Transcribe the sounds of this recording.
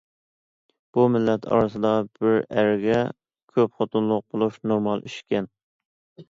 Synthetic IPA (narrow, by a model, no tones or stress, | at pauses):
b̥umɪlːɛt̪ʰɑ̰ɾɨsɨd̪ɑb̥ɪɾæɾɡʲɛ | kʲʰøpχot̪ʰunlˠʊq̚bolˠuʃnoɾmɑlˠyʃkʲɛn